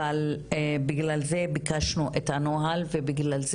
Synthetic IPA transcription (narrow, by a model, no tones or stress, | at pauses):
albiɡlalze̞bikaʃnuʔethanoɦalvebiɡlalz